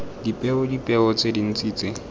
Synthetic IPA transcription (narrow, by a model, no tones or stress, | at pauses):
dipʼɛʊdipʼɛɔt͡sʼedin̩t͡sʼiːt͡sʼɪ